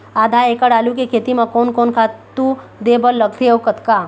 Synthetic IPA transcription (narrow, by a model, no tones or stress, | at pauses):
aːd̪ʱaːekəɽaːlukekʰeːt̪imakoːnkoːnkʰat̪u | d̪eːbəlːəɡ̚t̪ʰeowkət̪ka